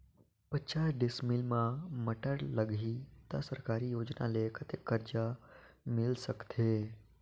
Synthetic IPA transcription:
pət͡ʃaːsɖɪsmɪlmãməʈəɾləɡʱit̪ɐsəɾkaːɾijoːd͡ʒna̰lekʰət̪ekːəɾd͡ʒamɪlsəkt̪ʰeː

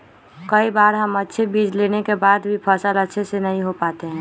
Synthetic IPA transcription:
kəibaːɾɦəmətːʃʰebiːd͡ʒleːnekebaːd̪bʱipʰəsələtːʃʰesenəɦĩɦopaːt̪eɦɛ̃ː

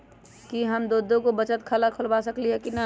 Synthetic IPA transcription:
kiɦəmd̪oːd̪ʱõkobət͡ʃət̪kʰəlakʰʊlbasəkliɦɛkina

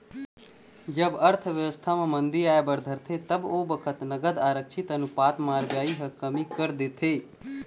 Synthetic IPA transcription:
d͡ʒəbəɾt̪ʰəʋjəʋəst̪ʰamãmənd̪iaebəɾd̪ʱəɾt̪ʰet̪əbobəkʰət̪nəɡəd̪aːɾəkt͡ʃʰit̪ənupat̪maɾbjaiɦəkəmikəɾd̪et̪ʰe

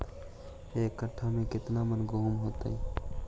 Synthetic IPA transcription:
ekːəʈʰːamẽkɪt̪namənɡoɦumɦoːt̪aɛ

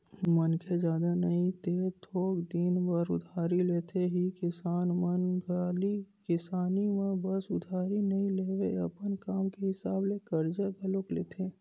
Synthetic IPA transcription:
mənkʰed͡ʒjaːd̪anɐĩt̪eːt̪ʰoːɡd̪iːnbəɾʊ̰d̪ʱaːɾileːt̪ʰeɦikɪsaːnmənɡʱaːlikɪsaːnimẽbəsʊd̪ʱaːɾinɐɦĩleːʋeɐpənkaːmkeɦɪsaːblekəɾd͡ʒaɡɐloːkleːt̪ʰeː

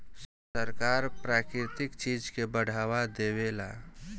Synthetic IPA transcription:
səɾkaːɾpɾaːkɾɪt̪ɪkt͡ʃiːd͡ʒkebəɽ̤ʱaːʋad̪eːwela̰ː

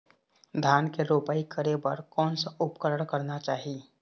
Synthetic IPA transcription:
d̪ʱjaːnkeɾoːpaːikəɾebəɾkɔːnsaʊpkəɾəɽ̃kəɾnat͡ʃaːɦi

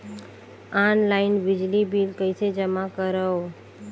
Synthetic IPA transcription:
anlaɪnʋɪd͡ʒlibilkəjsed͡ʒəmãkəɾəo

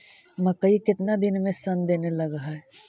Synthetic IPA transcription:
mɐkːəikɪt̪nad̪ɪnmẽsɐ̃nd̪eːnelɐɡəɦaɦɛː

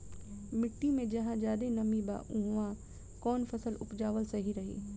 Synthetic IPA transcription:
mɪʈːimẽd͡ʒɐɦãd͡ʒjaːd̪enɐmiba̰ːʔʊ̃ɦʋã | kɔːnfʰɐsəlʊpd͡ʒaːʋəlsɐɦiɾɐɦḭː

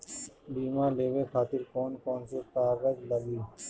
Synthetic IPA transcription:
ɖiːmãːleːʋeːkʰaːt̪ɪɾkoːnkoːnsek̪aːɡəd͡ʒləɡiː

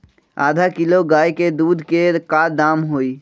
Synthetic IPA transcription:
a̰ːd̪ʱakɪloɡaːjked̪uːd̪ʱkekaːd̪aːmɦoːiː

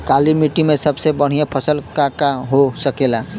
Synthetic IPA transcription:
kalimiʈimesəbsebəɽ̤ijepʰəsəlkakaɦosəkela

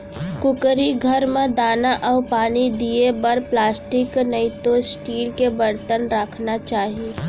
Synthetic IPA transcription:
kʊkɾiɡʱɐɾmẽd̪aːnaʔɔːpaːnid̪iebɐɾplaːsʈɪknəit̪osʈiːlkebəɾt̪ənɾəkʰnat͡ʃaːɦieː

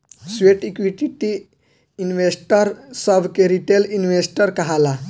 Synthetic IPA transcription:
sʋeʈikʋiʈiʈi | inʋesʈəɾsəbʱkeɾiʈelinʋesʈəɾkəɦala

